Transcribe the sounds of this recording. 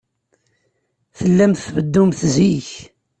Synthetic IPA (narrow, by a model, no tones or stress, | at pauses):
θəlːæmθvəd̪ːumθziç